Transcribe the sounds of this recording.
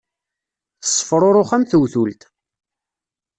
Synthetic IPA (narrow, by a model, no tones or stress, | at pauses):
θə̥sˤːə̥fɾˤoɾˤoχæmθəwθult̪